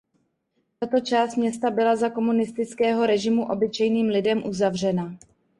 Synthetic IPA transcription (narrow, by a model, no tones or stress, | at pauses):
t̪at̪o̞t͡ʃaːst̪mɲɛst̪abɪlazako̞munɪst̪ɪt͡skɛːɦo̞ɾɛʒɪmuʔo̞bɪt͡ʃɛjniːmlɪdɛmʔuzavr̝ɛna